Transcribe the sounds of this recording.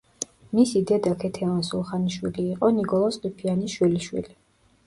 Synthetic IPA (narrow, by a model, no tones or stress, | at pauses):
misid̪ɛd̪akʰɛt̪ʰɛvansulˠχaniʃwiliːqʼɔnikʼɔlˠɔsqʼipʰianiʃwiliʃwḭli